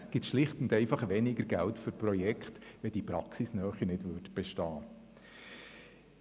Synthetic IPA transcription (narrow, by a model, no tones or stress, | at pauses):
sɡ̥ɪt̪ʃlɪχtʊndɛɪfɑχʋɛnɪɡəɾɡ̥æltfʏɾpɾɔjɛkχt̪ʋɛd̥ipɾɑ̰ksisnœːχinɪdʋʉːɾdb̥ɛʃtɑː